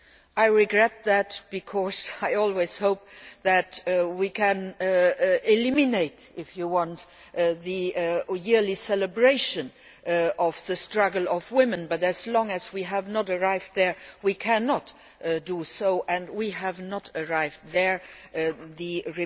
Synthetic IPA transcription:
ʔaɪɹɪɡɹɛt̪̚ðætb̥ikʰɔzaɪɔlˠwez̥hoʊp̚ðætwikʰɨ̃n | ɪlɪmineɪtɪfjuwɔ̃nt | ðɨjɪɹlisɛləbɹeɪʃə̃n | ɔvðəstɹ̥ʌɡl̩ˠɔvwɪ̃mɨ̃nbʌɾæzlɔ̃ŋɨzwiɦævnəɾə˞aɪvd̚ðə˞wikʰæ̃nɔt | dusoʊʔɨ̃ndwiævnətə˞aɪvdðə˞ | ðɨɹi

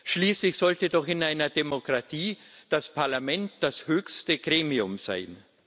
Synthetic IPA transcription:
ʃliːslɪçz̥ɔltədɔχɪnaɪnɐdemokʁ̥atʰiːd̥aspʰaɐlamɛnt̚d̥ashøːçstəɡ̥ʁeːmiʊmz̥a̰ɪn

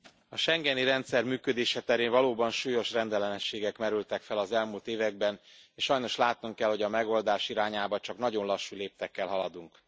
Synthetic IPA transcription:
ɒʃɛŋɡɛniɾɛnt̪sɛrmyːkød̪eːʃɛt̪ɛɾeːnvɒloːbɒnʃuːjo̞ʃrɛnd̪ɛlɛnɛʃːeːɡɛkmɛɾylt̪ɛkfɛlɒzɛlmult̪eːvɛɡ̚bɛneːʃʃɒjno̞ʃlaːt̪nuŋkɛlho̞ɟɒmɛɡo̞ld̪aːʃiɾaːɲaːbɒt͡ʃɒknɒɟo̞nlɒʃːuleːp̚t̪ɛkːɛlɦɒlɒd̪uŋk

